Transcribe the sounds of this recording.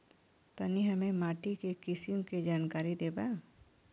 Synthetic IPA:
t̪ɐniɦɐmẽmaːʈikekɪsɪmked͡ʒaːnkaːɾid̪eːba

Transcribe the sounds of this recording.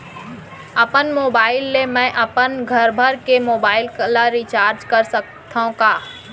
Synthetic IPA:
ɐpənmoːbaːɪlːemɛ̃ːʔɐpənɡʱɐɾbʱəɾkemoːbaːɪlklaɾit͡ʃaːɾd͡ʒkɐɾsək̚ | t̪ʰaũkaː

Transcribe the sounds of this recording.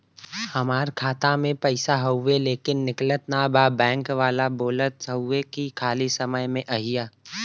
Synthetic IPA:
hɐmaːɾkʰaːt̪ãmẽpɛɪsaɦɐːeleːkɪnːɪklət̪nabaːbɛ̃ːŋkʋaːlaboːlət̪ɐʊekikʰaːlisɐməjmẽʔɐɦɪjaː

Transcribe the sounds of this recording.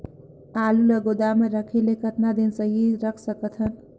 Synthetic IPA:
aluləɡod̪ameɾəkʰelekət̪nad̪insəɦiɾəkʰsəkət̪ʰən

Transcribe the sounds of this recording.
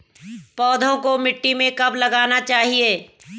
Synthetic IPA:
pɔːd̪ʱõkomɪʈːimẽkɐblɐɡaːnat͡ʃaːɦieː

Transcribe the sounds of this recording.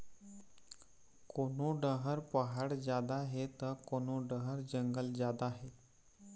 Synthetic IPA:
konoɖəɦəɾpəɦaɽd͡ʑjad̪aɦet̪əɾkonoɖəɦəɾd͡ʑəŋɡəld͡ʑjad̪aɦe

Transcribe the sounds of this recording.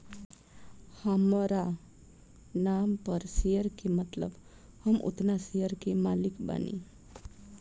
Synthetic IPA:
həmɾa | nampəɾsejəɾkemət̪lə̰b | həmʔo̰t̪nasejəɾkemalikba̰nḭ

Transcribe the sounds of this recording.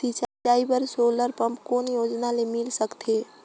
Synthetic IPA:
t̪it͡ʃad͡ʒaibəɾsoləɾpəmpkoːnjod͡ʒnalemilsəkt̪ʰe

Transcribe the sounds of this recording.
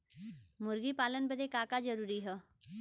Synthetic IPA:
mʊɾɡipaːlənbəd̪ekaːkad͡ʒəɾuːɾiɦɛ

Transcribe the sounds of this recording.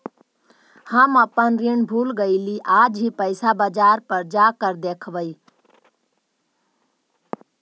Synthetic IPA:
həməpənɾiɳbʱuːlɡəɪliʔaːd͡ʒɦipəɪsabəd͡ʒaːɾpəɾd͡ʒakəɾd̪eːkʰʋəi

